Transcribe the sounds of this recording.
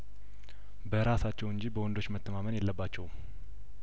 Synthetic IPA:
bəɾasat͡ʃːɛwɨɲd͡ʒibəwɔnd̪o̞t͡ʃːmət̪ʰːəmamənjɛlːəbːat͡ʃːɛw

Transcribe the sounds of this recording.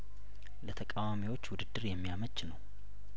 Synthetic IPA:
lət̪ʰəkʼawamiwo̞t͡ʃːwʊd̪ɨd̪ːɨɾjɛmːijamət͡ʃːnəw

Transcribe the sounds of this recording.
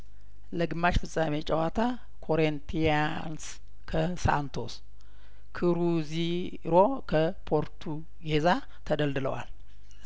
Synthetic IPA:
ləɡɨmːat͡ʃfɨsʼamet͡ʃʼɛwat̪ʰa | kʰo̞ɾent̪ʰia | ns | kʰəsa̰nt̪ʰo̞s | kʰɨɾuzi | ɾo̞kʰəpʰo̞ɾt̪ʰu | ɡe̞za | t̪ʰəd̪əld̪ɨlə̰wa̰l

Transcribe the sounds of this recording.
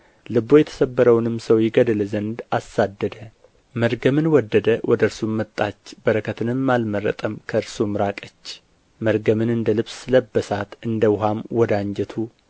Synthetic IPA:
lɨbojɛt̪ʰə̥səbːəɾəwnɨmsəwjɪɡəd̪lzənd̪asːad̪ːəd̪ə | məɾɡəmɨnwɔd̪ːəd̪əwʔɔd̪əɨɾsumːət̪ʼːat͡ʃːbəɾəkʰət̪ʰɨnɨmːalmərːə̰t̪ʼəmkʰəɨɾsumɾakʼət͡ʃː | məɾɡəmɨnɨnd̪əlɨβsɨləbːəsat̪ɨnd̪əwʊɦamwɔd̪aɲd͡ʒɛt̪ʰu

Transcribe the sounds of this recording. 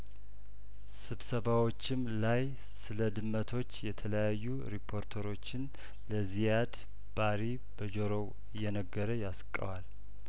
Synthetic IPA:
sɨβsəβawot͡ʃːɪmlaj | sɨləd̪ɨmːət̪ʰo̞t͡ʃːjɛt̪ʰələjajːuɾipʰːo̞ɾt̪ʰəɾo̞t͡ʃːɪn | ləzijad̪ | b̥aɾi | bəd͡ʒoɾo | jɛnəɡːəɾəjaskʼːə̰wal

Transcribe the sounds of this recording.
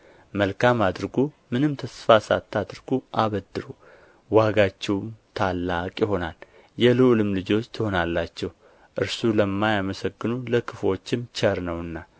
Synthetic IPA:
məlkʰamad̪ɾɡumɨnɨmt̪ʰəsfasa̰t̪ʰːad̪ɨɾɡ̥uʔaβəd̪ːɨɾu | waɡat͡ʃːɛwmt̪ʰalːakʼjɪɦo̞nal | jɛluʔlɨmlɨd͡ʒo̞t͡ʃːt̪ʰɨho̞nalːat͡ʃːɛw | ʔɨɾsuləmːajaməsəɡːɨnuləkʰɨfo̞t͡ʃːɪmt͡ʃʰɛɾnəwɨnːa

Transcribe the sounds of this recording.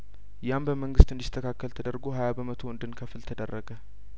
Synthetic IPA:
jambəməŋɡɨst̪ɨnd̪ist̪ʰːəkʰakːəlt̪ʰəd̪əɾɡoɦajabəmət̪ʰoɨnd̪ɨnkʰəfɨlt̪ʰəd̪ərːəɡə

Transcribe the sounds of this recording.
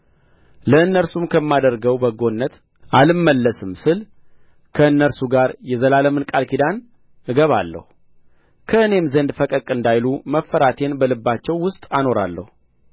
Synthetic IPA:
ləɨnːəɾsumkʰəmːad̪əɾɡəwbəɡo̞nːət̪ | ʔalɨmːəlːəsɨmsɨl | kʰəɨnːəɾsuɡaɾjɛzəlaləmɨnkʼalkʰid̪an | ɨɡəβa̰lːə̰hu | kʰəɨne̞mzənd̪fəkʼəkʼɨnd̪ajluməfːəɾat̪ʰe̞nbəlɨbːat͡ʃːɛwːʊst̪ʼano̞ɾa̰lːə̰hu

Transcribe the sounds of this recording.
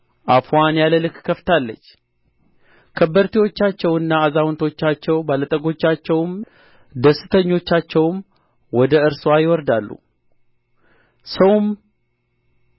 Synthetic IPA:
ʔafwanjaləlɨkkʰəft̪ʰalːət͡ʃː | kʰəbːəɾt̪ʰiwo̞t͡ʃːat͡ʃːɛwɨnːaːzawnt̪ʰo̞t͡ʃːat͡ʃːɛwbalət̪ʼəɡo̞t͡ʃːat͡ʃːɛwm | d̪əsɨt̪ʰəɲːo̞t͡ʃːat͡ʃːɛwm | wɔd̪əɨɾswajɪwɔɾd̪alːṵ | səwm

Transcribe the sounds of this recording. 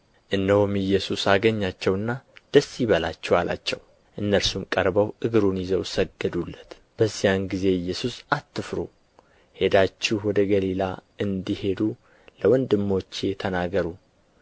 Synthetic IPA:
ʔɨnːəhomɨjːɛsusaɡəɲːat͡ʃːɛwɨnːad̪̥əsːiβəla̰t͡ʃːɛwalʔa̰t͡ʃːɛw | ʔɨnːəɾsumkʼəɾbəwʔɨɡɨɾunjizəwsəɡːəd̪ulːət̪ | b̥əzːijanɡize̞ɨjːɛsusat̪ːɨfɾṵ | he̞d̪at͡ʃːɪhwɔd̪əɡəlilaɨnd̪ihe̞d̪u | ləwɔnd̪ɨmːo̞t͡ʃːjɛt̪ʰənaɡəɾu

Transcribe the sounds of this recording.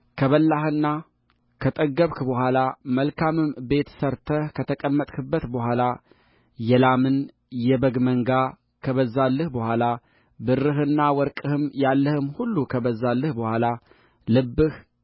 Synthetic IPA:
kʰəβəlːahɨnːa | kʰət̪ʼəɡəβkbəhʷalaməlkʰamɨmbe̞t̪ʰsəɾt̪ʰəhkʰət̪ʰəkʼəmːət̪ʼkʰɨbːət̪bəhʷala | jɛlamɨn | jɛbəɡməŋɡa | kʰəβəzalːəhbəhʷala | bɨrːɨɦɨnːawɔɾkʼɨhɨmjalːəhɨmhulːukʰəβəzalːəhbəhʷala | lɨbːɨh

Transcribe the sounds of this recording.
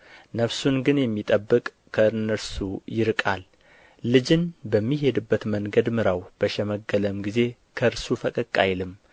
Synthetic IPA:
nəβsunɡɨnjɛmːit̪ʼəbːɨkʼːʰəɨnːəɾsujɪɾkʼalː | ɨd͡ʒɪnbəmːiɦe̞d̪ɨbːət̪məŋɡəd̪mɨɾawb̥əʃɛməɡːələmɡize̞ | kʰəɨɾsufəkʼəkʼːajlɨm

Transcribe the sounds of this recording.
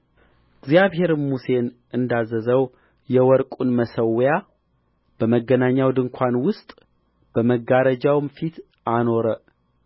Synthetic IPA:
ɡzijaβɦe̞ɾmuse̞nʔɨnd̪azəzəw | jɛwɔɾkʼunməsəwja | b̥əməɡːənaɲːawd̪ɨŋkʷʰanwʊst̪ʼ | b̥əməɡaɾəd͡ʒawmfit̪ | ano̞ɾə

